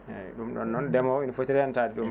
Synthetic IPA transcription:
ɛ̰ɗumɗɔ̰nːɔndɛmɔwinɔfotiɾɛantaːdiɗum

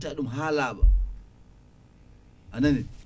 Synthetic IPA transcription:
taɗumɦaːlaːɓa̰ | ʔanani

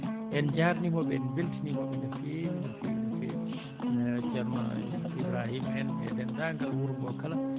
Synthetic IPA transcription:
ʔɛnd͡ʒaɾnimɔɓɛɛnbeltinimɔɓɛd͡ʒafenafidfɛ̰ | d͡ʒaɾma̰ | ibɾahimɛnɛ̰dɛndaŋɡalwuɾbɔkala

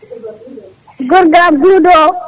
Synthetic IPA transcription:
ɡʊɾɡaɡudɔ

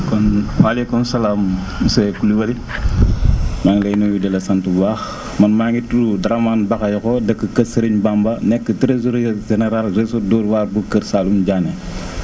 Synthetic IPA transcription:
kɔnwalekumsɐlaːm | usekuliwɐli | maŋlɐjnojudɛlesantubaːx | mɐnmaŋituɾudɾamaːnbaxajkɔdɐkːəkɐsəɾiɲbambɐnɛkːətɾezuɾʒeneɾalzesodɔːɾwaɾbukəɾsalumɟaːne

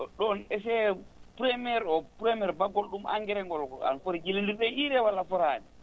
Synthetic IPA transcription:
ɗɔnɛsɛpɾɛmiɛɾɔpɾɛmɛɾbaɡɔlɗumʔa̰ŋɡɛɾɛŋɡɔlɡɔa̰nfoɾid͡ʒilindiɾɗɛiɾɛwalːafɔɾaːni

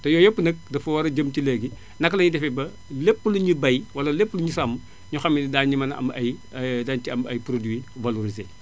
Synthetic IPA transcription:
tɐjɔːjopːunɐk̚dɐfɐwɐɾɐɟəmtileɡi | nɐkːlɐɲudɛfɛbɐ | lepːuluɲubɐjwɐlɐlepːuluɲusɐmu | ɲuxɐmːidaːɲimɐnɐ̰mɐjdantiɐmɐjpɾodwivɐloɾizeː

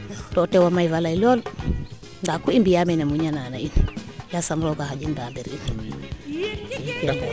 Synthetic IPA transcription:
totewamaivalailol | ndakuimbijamenamuɲananainjasamɾoɡahad͡ʒindabeɾinm | ikuj

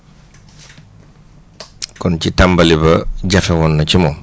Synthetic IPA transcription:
kɔncitambɐlibɐɟɐfɛwɔnːɐcimɔ

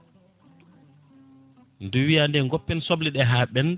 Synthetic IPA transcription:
nduwijandɛŋɡɔpːɛnsɔbliɗɛɦaːɓɛn

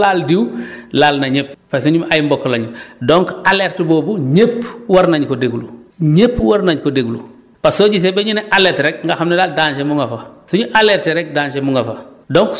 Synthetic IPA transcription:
laːldiwlaːlnɐɲeppasuɲumajmbɔkːlaɲudoŋkaleɾtboːbuɲepwaɾnaɲkodeɡuluɲepːwaɾnaɲkodeɡulṵ | passoɟis̬ebeɲuneʔaletɾɛk̚ŋɡaxamnelaːldaːnʃemuŋɡafasuɲuʔaleːɾteɾɛk̚daːɲt͡ʃemuŋɡafadoŋk

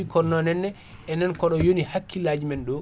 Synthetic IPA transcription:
ikɔɾnɔnɛnːɛ | ɛnɛnkɔɗɔjonihakʰːilad͡ʒmɛnɗɔ

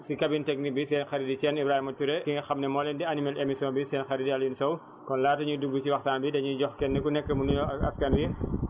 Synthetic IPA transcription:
sikɐbintɛk̚nik̚bisɛːnxɐɾidit͡ʃɛnibɾaːhimɐtuɾɛkiŋɐxɐmnɛmɔːlɛndiɐnimɐlemisjɔːnbisɛːnxɐɾidiɐljunsɐw | kɔnlaːtɐɲuduɡːusiwɐxtaːnbidɐɲuɟɔxkɛnːɛkunɛkːəmunuɔɐ̰skɐnwi

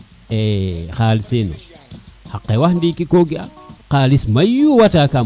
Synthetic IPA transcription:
ɛxaːlisenɔ̰ | haqːɛwahndikikoɡiaqalismajuwataka

